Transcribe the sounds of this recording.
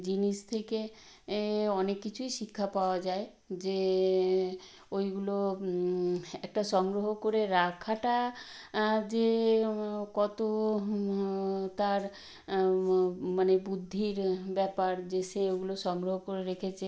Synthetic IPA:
d͡ʑiniʃt̪ʰeke | ɔnekːit͡ɕʰujʃikʰːapaoad͡ʑae | d͡ʑe | ojɡulo | ɛk̚ʈaʃɔŋɡɾoɦokoɾeɾakʰaʈa | d͡ʑe | kɔt̪o | t̪aɾ | manebud̪ʱːiɾbɛpaɾd͡ʑeseoɡuloʃɔŋɡɾoɦokoɾeɾekʰet͡ɕʰe

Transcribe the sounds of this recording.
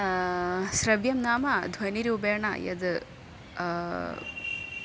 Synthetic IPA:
sɾɐʋjɐmnaːmad̪ʱwɐniɾiubeːɳa̰jɐ̰d̪

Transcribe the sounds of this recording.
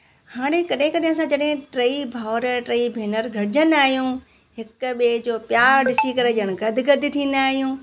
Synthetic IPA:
haːɽ̃ekɐɗɦɪ̃kɐɗɦɪ̃sãd͡ʑɐɗɦɪ̃ʈɾɐibʱaʊɾʈɾɐibʱeːnəɾɡʱɐʈɪd͡ʑə̃nd̪aːɦijũ | ɦɪkɓeːd͡ʑoːpjaːɾɗɪsikɐɾeʄəɽ̃̆ɡɐd̪ʱɪɡɐd̪ʱɪt̪ʰĩːn̆d̪aːɦijũː

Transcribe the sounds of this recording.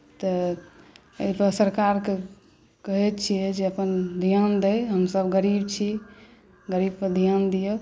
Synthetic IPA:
t̪ə | əjpəsəɾkaɾke | kəɦɛt̪t͡ʃʰijɛd͡ʒeəpənd̪ʱijand̪əjɦəmsəbɡəɾib̚t͡ʃʰi | ɡəɾib̚pəd̪ʱijand̪ijə

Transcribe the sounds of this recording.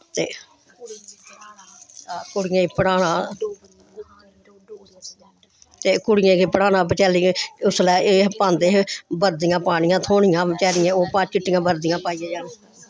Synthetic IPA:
t̪eː | kʊɽɪjãːpəɽaːnãː | t̪eːkʊɽɪjãːkipəɽaːnãːpət͡ʃɛːlɪẽʊslɛːeːpãːnd̪eːɦbəɾd̪ɪjãːpaːɽɪjãːt̪ʰoːɳɪjãːbt͡ʃɛːlɪãːoːpaːt͡ʃɪʈːɪjãːbəɾd̪ɪjãːpaːiːãːd͡ʒaːnː

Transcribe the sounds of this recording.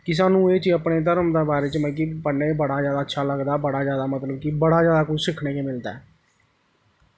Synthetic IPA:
kɪs̬aːnũːeːt͡ʃiəpɳeːt̪̬əɾmd̪aːbaːɾeːt͡ʃmə̃k̬ipəɳːeːbəɽaːzjaːd̪aːtːʃʰaːləɡd̪aːbəɽaːzjaːd̪aːmət̪ləbkibəɽaːzjaːd̪aːkʊt͡ʃsɪkʰɳeːkeːmɪld̪a̰ː

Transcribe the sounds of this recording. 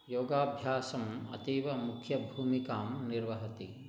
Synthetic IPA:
joːɡaːbʱjaːsɐmɐ̰t̪iːʋɐmukʰjɐbʱuːmikaːmniɾʋɐɦɐt̪i

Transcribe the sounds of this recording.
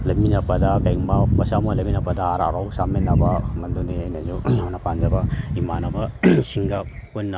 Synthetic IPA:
lɐminɐpɐdɐkɐjŋmɐpɐsamolɐminɐpɐdaaɾa̰ɾawsamenɐbɐmɐnduneajnɐzuawnɐpand͡ʒɐbɐimanɐbɐsiŋɡɐ | kojnːɐ

